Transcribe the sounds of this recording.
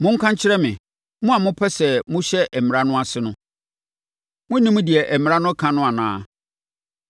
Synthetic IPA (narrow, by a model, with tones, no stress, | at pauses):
mʊ̃˦ŋ̩˦kʰã˦ɲ˦t͡ɕʰɪ˦ɾɛ˦mɪ̰̃˨ | mʊ̃˦a˨mʊ̃˦pʰɛ˦sɛ˨mʊ̃˦ɕɛ˦ʔɛ˨mɪ̃˨ɾa˦nʊ̃˦a˨sɪ˦nʊ̃˦ | mʊ̃˦nĩ˦mũ˦dɪ˨ɛ˨ʔɛ˨m̃˨ɾã˦nʊ̃˦kʰã˦nʊ̃˦a˨nãː˦